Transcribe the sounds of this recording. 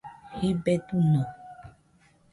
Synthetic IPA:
hebɛt̪unɔ̃

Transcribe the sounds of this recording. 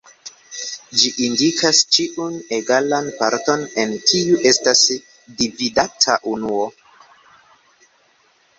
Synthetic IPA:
d͡ʒiʔindikʰast͡ʃiʔuneɡalanpaɾto̞ne̞nkiuʔe̞stas | dividatʰaʔunuo̞

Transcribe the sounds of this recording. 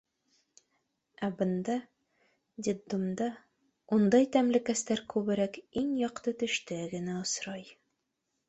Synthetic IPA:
æbɤ̆nd̪ɑ | d̪ʲid̪ːumd̪ɑ | und̪ɑjt̪æmlɘ̆kæst̪æɾkʉβɘ̆ɾækiŋjɒqt̪ɤt̪ɵ̆ʃt̪ɘɡɘ̆næŏsɾɑj

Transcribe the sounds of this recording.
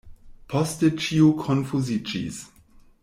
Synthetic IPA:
pʰɔstɪt͡ʃiokʰɔnfuzit͡ʃḭs

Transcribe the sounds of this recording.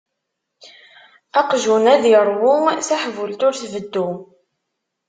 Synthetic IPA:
ɑqʒunæðiɾˤwʊθæħvʊlt̪ʊɾθvəd̪ːu

